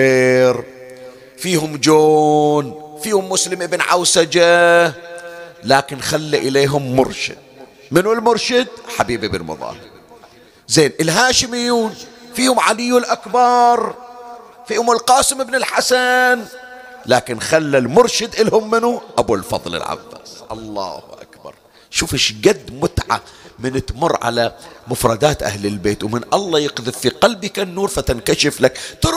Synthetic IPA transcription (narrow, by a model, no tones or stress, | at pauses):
eːɾ | fiːhʊmd͡ʒoːnfiːhʊmːʊslɪmʔɪbnʕa̰wsad͡ʒa | laːkɪnxalːaʔɪleːɦʊmːʊɾˤʃɪ̰d̪̚ | mɪnulmʊɾˤʃɪd̪ħabiːbʔɪbɪ̰nmʊ̰ðˤɑ̰ːhɾ | zeːnʔɪlɦaːʃɪmɪjuːnfiːhʊmʕalɪjːulʔakbɑɾˤ | fiːhʊmɪlqɑːsɪmɪbnɪlħasan | laːkɪnxalːalmʊɾʃɪd̪ʔɪlhʊmːɪnuʔabulfɑ̰ðˤlɪ̰lʕa̰fːa̰ːsʔɑlˤːɑ̰ːhʔa̰kbɑ̰ɾˤ | ʃuːfɪʃɡad̪ːmʊt̪ʕa̰mɪnɪt̪mʊrˤːʕa̰lamʊfɾˤɑd̪aːt̪ʔa̰hlɪlbeːt̪wmɪnʔɑlˤːɑjɪqðɪffiqalbikanːuːɾˤfat̪ɪnkaʃɪflakt̪ʊɾ